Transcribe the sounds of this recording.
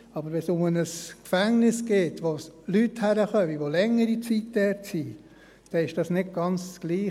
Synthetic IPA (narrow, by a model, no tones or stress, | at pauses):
ɑbəɾʋɛsʊmənəskfæŋnɪsɡ̥eːtʋolythæɾəχœmiʋolɛŋːəɾit͡sitd̥ɛɾtsi | d̥ɛɪʃd̥ɑsnɪdɡ̥ɑnt͡sɡ̥liː